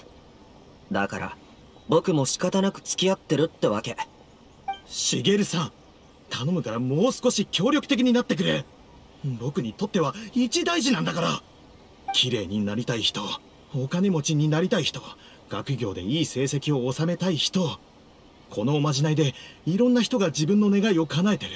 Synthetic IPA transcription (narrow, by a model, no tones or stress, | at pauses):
d̪a̰ka̰ɾa̰ | bo̞kɯ̟mo̞ɕi̥kat̪anakɯ̟̥t͡sɨ̥kʲiat̪ːe̞ɾɯ̟t̪ːe̞βake̞ | ɕiɡe̞ɾɯ̟sãŋ̃ | t̪ʰano̞mɯ̟kaɾamo̞ːsɨ̥ko̞ɕikʲo̞ːɾʲokɯ̟t̪ekʲiɲ̟inat̪ːe̞k̬ɯ̟ɾe̞ | bo̞kɯ̟ɲ̟it̪o̞t̪ːe̞β̞ait͡ɕid̪aiʑinãnd̪akaɾa | kʲʰiɾe̞ːɲ̟inaɾʲit̪aiçi̥t̪o̞ | okane̞mo̞t͡ɕiɲ̟inaɾʲit̪aiçi̥t̪o̞ | ɡ̥akɯ̟ɡʲo̞ːd̪e̞̰iːse̞ːsekʲio̞ːsame̞t̪aiçi̥t̪o̞ | kʰo̞no̞ːmaʑinaid̪e̞iɾõ̞nːaçi̥t̪oɡad͡ʑibɯ̃nːo̞ne̞ɡaio̞kanae̞t̪e̞ɾɯ̟